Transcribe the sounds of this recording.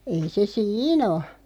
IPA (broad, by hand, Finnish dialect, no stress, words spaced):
ei se siːn o